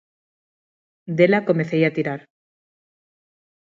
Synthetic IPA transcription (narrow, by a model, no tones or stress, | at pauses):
d̪e̞lako̞meθejat̪iɾaɾ